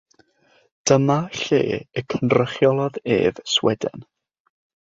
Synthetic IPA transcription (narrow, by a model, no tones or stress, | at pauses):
d̥əmaɬḛːəkʰənrəχjɔlˠɔðḛːvswɛdə̰n